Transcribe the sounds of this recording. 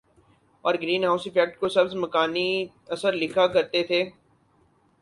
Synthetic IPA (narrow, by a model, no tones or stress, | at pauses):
ɔːɾɡɾiːnɦaːʊsɪpɛːk̚ʈ̚kosɐbzmɐkaːni | ɐsəɾlɪkʰakɐɾt̪et̪ʰeː